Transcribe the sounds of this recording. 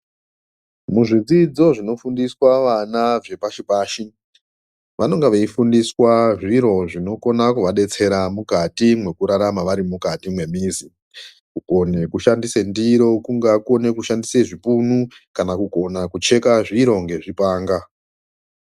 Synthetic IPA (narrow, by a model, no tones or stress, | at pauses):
muʐid͡zid͡zo̞ʐino̞fundiswaʋanaʐe̞paʃipaːʃi | ʋano̞ŋɡeʋeifundiswaʐiɾo̞ʐino̞ko̞nakuʋaɗe̞t͡se̞ɾamukatimwe̞kuɾaɾamaʋaɾimukatimwe̞miːzi | kuko̞nekuʃandise̞ndiɾo̞kuŋɡakuo̞ne̞kuʃandise̞ʐipunu | kanakuɡʱo̞nakut͡ʃe̞kaʐiɾo̞ŋɡe̞ʐipaːŋɡa